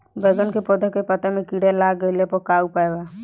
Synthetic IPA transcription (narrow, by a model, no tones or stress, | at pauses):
bəɡənkepod̪ʱəkepət̪ɛmekiɽelaɡːəlepɔkaupaeba